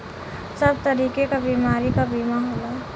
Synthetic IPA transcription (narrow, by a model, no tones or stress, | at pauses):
sɐb̚t̪ɐɾiːkekabiːmaːɾikabiːmaɦoːlaː